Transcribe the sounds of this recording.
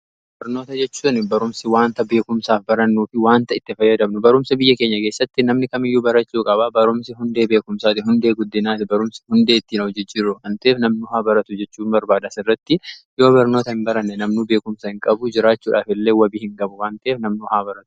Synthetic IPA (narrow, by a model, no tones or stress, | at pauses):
b̥ɐɾnoːt̪ɐd͡ʒɛt͡ʃːuːnɪbɐɾʊmsɪwaːnt̪ɐbe̞ːkʊmsaːfbɐɾɐnːuːfɪwaːnt̪ɐɪt̪ːɪfɐjːɐd̪ɐbnʊbɐɾʊmsɐbɪjːɐkeːɲːɐkeːsːɐt̪ːɪnɐmnɪkɐmɪjːubɐɾɐt͡ʃːuːkʼɐbabɐɾʊmsɪɦʊnd̪e̞ːbe̞ːkʊmsaːt̪ɪɦʊnd̪e̞ːɡʊd̪ːɪnaːt̪ɪbɐɾʊmsɪ̥hʊnd̪e̞ːt̪ːiːnhɔd͡ʒɪd͡ʒɪɾːʊʔɐnt̪ɐeːfnɐmnʊhaːbɐɾɐt̪ʊd͡ʒɛt͡ʃːuːmbɐɾbaːd̪ɐsɪrːɐt̪ːɪjo̞ːbɐɾnoːt̪ɐhɪmbɐɾɐnːɛnɐmnube̞ːkʊmsɐhɪŋkʼɐbʊd͡ʒɪɾaːt͡ʃːuːᶑaːfɪlːe̞ːwɐbiːhɪŋɡɐbʊwaːnt̪eːfnɐmnʊhaːbɐɾɐt̪ʊ̥